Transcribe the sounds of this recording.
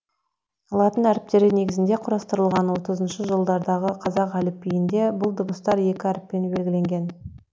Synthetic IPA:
ɑlˠɑt̪ənæɾɪp̚t̪e̞ɾɪne̞ɡʲɪzɪnd̪e̞qʰʊɾɑst̪əɾəlˠʁɑnwo̞t̪əzənʃəʒəlˠd̪ɑɾd̪ɑʁəqʰɑzɑqælɪpːijɪnd̪e̞bʊlˠd̪obəst̪ɑɾje̞kʲɪæɾɪpːe̞nbe̞lɡʲɪle̞ŋɡʲe̞n

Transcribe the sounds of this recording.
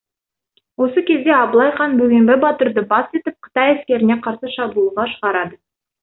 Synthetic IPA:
wo̞səkʲʰe̞zd̪e̞ɑblˠɑjχɑnbɵɡʲembebɑt̪əɾd̪əbɑse̞t̪ɪp̚qʰə̥t̪ɑjæskʲe̞ɾɪne̞qʰɑɾsəʃɑbulˠəʁɑʃəʁɑɾɑd̪ə

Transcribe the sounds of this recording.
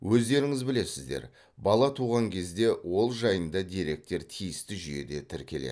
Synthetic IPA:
wʔɵzd̪e̞ɾɪŋɪzbɪle̞sɪzd̪e̞̰ɾ | bɑlˠɑt̪ʰuʁɑŋkʲʰe̞zd̪e̞wo̞lˠʒɑjənd̪ɑd̪ʲiɾe̞k̚t̪e̞ɾt̪ʰijɪst̪ɪʒyje̞̰d̪e̞t̪ʰɪɾkʲe̞lḛ

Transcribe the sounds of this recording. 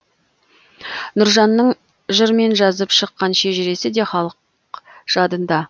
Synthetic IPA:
nʊɾʒɑnːəɴ | ʒəɾme̞nʒɑzəpʃəqːɑnʃe̞ʒɪɾe̞sɪd̪e̞χɑlˠəq | ʒ̥ɑd̪ənd̪ɑ

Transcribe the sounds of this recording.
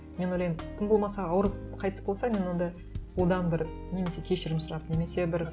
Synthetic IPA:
me̞nojlɑjmt̪ʰəmbo̞lˠmɑsɑɑwəɾəqʰɑjt̪ə̥sbolˠsɑmʲe̞nwond̪ɑ | od̪ɑnbɪɾ | ne̞me̞se̞kʲʰe̞ʃɪɾɪmsʊɾɑd̪əne̞me̞se̞bɪɾ

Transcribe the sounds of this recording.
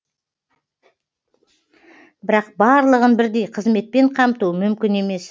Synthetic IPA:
bɪɾɑq̚bɑɾlˠəʁənbɪɾd̪e̞jqʰəzme̞t̪̚pe̞ɴqʰɑmt̪uəmʏmkʲɪne̞me̞s

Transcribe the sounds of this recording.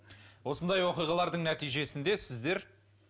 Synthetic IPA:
wo̞sənd̪ɑjwo̞qijʁɑlˠɑɾd̪əɴnæt̪ijʒe̞sɪnd̪e̞sɪzd̪e̞ɾ

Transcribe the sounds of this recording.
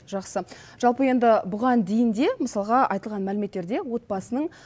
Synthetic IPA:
ʒɑqsə | ʒ̥ɑlˠpəje̞nd̪ɪbʊʁɑnd̪e̞jɪnd̪e̞məsɑlˠʁɑʔɑ̰jt̪əlˠʁɑnmælɪme̞t̪ːe̞ɾd̪e̞wo̞t̪̚bɑsənəɴ

